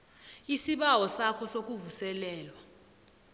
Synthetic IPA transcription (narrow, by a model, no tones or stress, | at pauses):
isiɓawɔsakʰɔsok̬ʼuvusɛlɛːlwa